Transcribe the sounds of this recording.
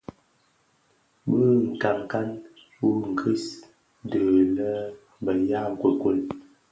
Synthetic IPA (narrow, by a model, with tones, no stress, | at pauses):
bə˦ŋ̩˨ka˨ŋ˨ka˦n | wu˦ŋ̩˨kʰə˦s | də˨lə˦ | bə˨ja˦ŋ˨kwə˨ko˦˨l